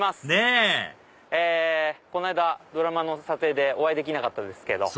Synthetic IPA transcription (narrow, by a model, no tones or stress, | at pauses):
masɨ̥ne | eːko̞naid̪ad̪o̞ɾamano̞sat̪e̞ːd̪e̞o̞βaid̪e̞kʲinakat̪ːad̪e̞sɨ̥ked̪o̞̰